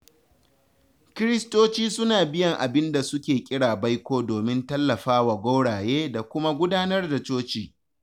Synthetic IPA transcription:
kʲɪ˦ɾɪ˦stoː˦t͡ʃiː˦sʊ˦naː˨bɪ˦jɐ˨ŋʔa˨bɪ˦nda˨sʊ˦kʲeː˨kʲʼɪ˦ɽaː˨ba˦jkʷoː˦doː˨mɪ˦ntɐ˦lːɐ˨ɸaː˦wa˨ɡʷa˦wɽaː˨jeː˦da˨kʷʊ˦ma˦ɡʷʊ˦daː˦nɐ˦rda˨t͡ʃoː˦t͡ʃiː˨

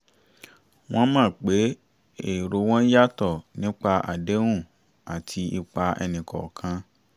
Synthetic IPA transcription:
w̃ɔ̃˦mãː˦˨k͡pe˨˦ | e˦˨ɾo˧˦w̃ɔ̃˦n̩˦ja˦tɔ˦˨nĩ˨˦k͡pa˧ʔa̰˨de˨˦w̃ũ˦˨ | a˨tʰi˧i˧k͡pa˧ɛ̰˧nĩ˨kɔ̰˨kʰã˧

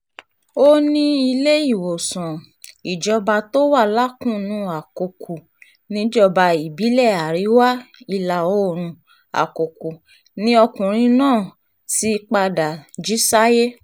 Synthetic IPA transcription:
o˦nĩ˦i˧le˦i˦˨wo˨sã˨ | i˨d͡ʒɔ˧ba˧to˦wa˦˨la˦kũ˦nũ˨˧˦a˨ko˨kʰu˨ | nĩ˦d͡ʒɔ˧ba˧i˨bi˨˦lɛ˦˨a˨ɾi˨˦wa˦i˧˨la˨o˦˨ɾ̃ũ˧ | a̰˨ko˨ku˨ | nĩ˦ɔ˧kũ˨ɾ̃ĩ˧˦nãː˦˨ | si˧˦k͡pa˧da˨d͡ʒi˨˦sa˦je˦

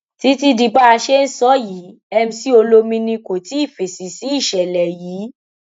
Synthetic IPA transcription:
ti˨˦ti˦di˧ba˦a˧ʃe˦n̩˦sɔ˦ji˨˦ | ɛ˦m̩̃˧si˦o˧lo˧˦mĩ˧nĩ˧ko˨ti˨˦i˦˨fe˨si˨si˨˦i˦˨ʃɛ˨lɛ˨jiː˨˦

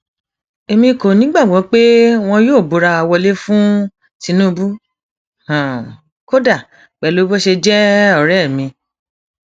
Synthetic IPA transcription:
e˧mĩ˧˦ko˨nĩ˨˦ɡ͡ba˦˨ɡ͡bɔ̃˨˦k͡pe˦w̃ɔ̃˧joː˦˨bo˨˦ɾa˧a˧wɔ˧le˦fũ˦ | ti˨˧˦nũ˦˧bu˦ | hã˨ | ko˦da˦˨ | k͡pɛ˨lo˨˦bo˦ʃe˧d͡ʒɛ˦ɔ˦˨ɾɛ˦˨mĩ˧

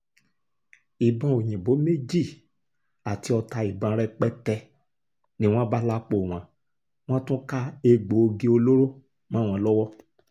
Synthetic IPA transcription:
i˨bã˧o˨j̃ĩ˨bo˨˦me˦d͡ʒi˦˨ | a˨ti˨˦ɔ˧ta˧i˨bã˧˦˧ɾɛ˦k͡pɛ˦tɛ˧ | nĩ˦w̃ɔ̃˦ba˦la˦k͡po˨w̃ã˨˦ | w̃ɔ̃˦tũ˦ka˦e˧ɡ͡bo˨˦o˧ɡe˧o˧lo˦ɾo˦ | mã˦w̃ã˧lɔ˦wɔ˦

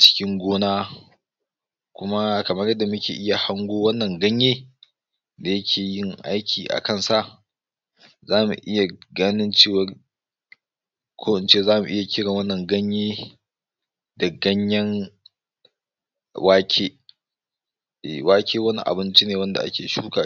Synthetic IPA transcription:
t͡ʃɪ̥˦kʲɪ˦ŋɡʷoː˦naː˦ | kʷʊ˦ma˦kɐ˨mɐ˦rjɐ˦dːa˨mʊ˦kʲeː˨ʔɪ˦ja˨ha˦ŋɡʷoː˦wɐ˦nːɐ˨ŋɡɐ˦ɲjeː˦ | da˨jɐ˦kʲʰeː˨jɪ˦ŋʔa˦jkʲiː˨ʔa̰˨kɐ˦˨nsa˦˨ʔ | zaː˦mṵ˨ʔɪ˦ja˨ɡaː˦nɪ˦nt͡ʃeː˦wɐ˨r | kʰoː˦ʔɪ˨nt͡ʃeː˦zaː˦mu˨ʔɪ˦ja˨kʲɪ˦ɽɪ˨ŋwɐ˦nːɐ˨ŋɡɐ˦ɲjeː˦ | dɐ˨ɡɐ˦ɲjɐ˦n | waː˦kʲʰeː˦˨ | waː˦kʲʰeː˦wɐ˦nḭ˦ʔa̰˨bɪ˦nt͡ʃi˦neː˨wɐ˦nda̰˨ʔa̰˦kʲeː˨ʃuː˦kaː˨

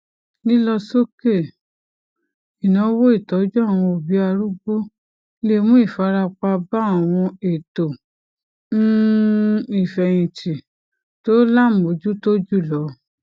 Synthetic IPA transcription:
nĩ˦lɔ˧so˦ke˦˨ | i˨nã˨˦wo˦i˦˨tɔ˨˦d͡ʒɔ˦a˦˨w̃ɔ̃˧o˨bi˨˦a˧ɾu˦ɡ͡bo˦ | le˦˧mũ˦i˦˨fa˨˧˦ɾa˧k͡pa˧ba˦a˨w̃ɔ̃˧e˨to˨ | n̩˦ | i˨fɛ˨j̃ĩ˨t͡ʃi˨ | to˦la˦˨mo˨˦d͡ʒu˦to˦d͡ʒu˦˨lɔ˨˦

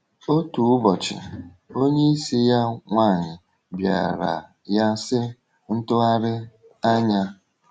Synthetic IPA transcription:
o˦tu˨ʊ˦bɔ˨t͡ʃɪ̰˨ | o˦ɲe˦i˦si˦ja˦ŋʷa˦˨ɲɪ˨ | bja̰˨ɾa̰˨ | ja˦sɪ˦ | n̩˦tʊ˦a˦ɾɪ˦ | a˦ɲa˦

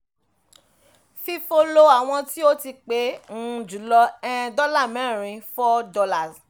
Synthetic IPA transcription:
fi˧fo˧lo˦a˨w̃ɔ̃˧ti˦o˦ti˧k͡pe˨˦ŋ̩˦˧d͡ʒu˨˦lɔ˧ɛ̃˦˧dɔ˦la˦˨mɛ̃˨˦˨ɾ̃ĩ˨˧fɔ˦dɔ˧˦la˦˨z

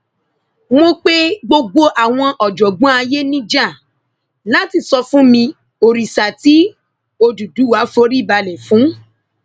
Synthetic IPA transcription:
mo˧k͡pe˦ɡ͡bo˧ɡ͡bo˧ʔa˨w̃ɔ̃˧ʔɔ˨d͡ʒɔ˨ɡ͡bɔ̃˨˦a˧je˦nĩ˦d͡ʒa˦˨ | la˦ti˧˨sɔ˧fũ˦mĩ˧ | o˨ɾi˨sa˨ti˦ | o˧du˨du˨˦wa˨˦fo˧˦ɾi˦˨ba˧lɛ˨fũ˨˦

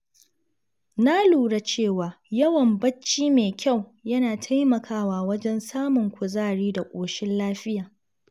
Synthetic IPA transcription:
na˦luː˨ɽa˨t͡ʃeː˦˨waː˨jɐ˦wɐ˨mbɐ˦t͡ʃːiː˦meː˨kʲʰa˦˨wjɐ˦naː˨tʰa˦jmɐ˨kʰaː˦waː˦˨wɐ˦d͡ʒɛ˦nsaː˦mʊ˨ŋkʷʊ˨zaː˦˨ɽiː˦da˨kʷʼoː˨ʃɪ˦nlaː˦ɸɪ˦jaː˨

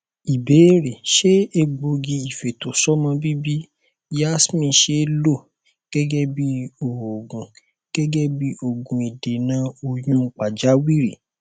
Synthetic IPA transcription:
i˨be˨˦ɾe˨ʃe˦e˧ɡ͡bo˧ɡi˧i˨fe˨to˨sɔ˦mã˧bi˦bi˦ | ja˦smĩ˧˨ʃe˦lo˦˨ | ɡ̥ɛ˦ɡɛ˦bi˦o˨o˨ɡũ˨ | ɡ̥ɛ˦ɡɛ˦bi˦o˧˨ɡũ˨i˨de˨nãː˨˦o˧jũ˦˧k͡pa˨d͡ʒa˨˦wi˦ɾi˨

